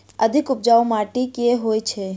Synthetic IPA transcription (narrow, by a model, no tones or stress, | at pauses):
əd̪ʱikʊp̚d͡ʒaomaʈikeɦojt͡ʃʰe